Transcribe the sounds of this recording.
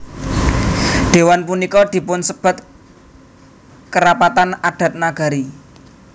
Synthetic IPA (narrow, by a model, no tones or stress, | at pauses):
ɖ̪̥e̤wanpunikɔd̪̥i̤pʊnsəb̥a̤t̪ | kəɾapat̪anaɖ̥ä̤t̪̚naɡ̥a̤ɾi